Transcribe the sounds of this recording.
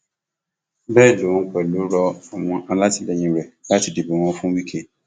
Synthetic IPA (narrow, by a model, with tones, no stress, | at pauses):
bɛː˦˨do˨wɔ̃˨ŋ̩˦k͡pɛ˨lo˨˦ɾɔ˧ɔ˨w̃ɔ̃˧ʔa˧la˦ti˦lɛ˨ɲĩ˨˧ɾɛ˨la˦ti˨de˨be˨w̃ɔ̃˧˦fũ˦wi˦kʰe˦˨